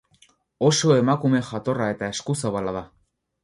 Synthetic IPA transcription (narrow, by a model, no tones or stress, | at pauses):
o̞so̞e̞makume̞xat̪o̞rae̞t̪aeskusaβalaða